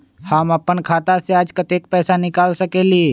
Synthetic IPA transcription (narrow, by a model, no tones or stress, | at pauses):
haːmɐpːənkʰaːt̪aseaːd͡ʒkɐt̪eːk̚pɛːsanɪkaːlsəkeːlieː